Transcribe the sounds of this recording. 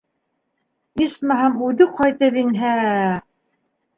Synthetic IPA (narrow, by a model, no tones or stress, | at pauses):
ismæɦæmʉðɘqʰɑjt̪ɤpinɦæ